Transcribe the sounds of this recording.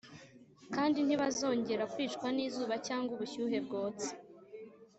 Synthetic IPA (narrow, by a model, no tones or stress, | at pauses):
kaːndin̥hiβazo̞ːɲɟe̞ɾakwiːt͡ʃkwaniːzuːβacaːŋɡuβuçuːɦe̞b̚ɡo̞ːt͡se̥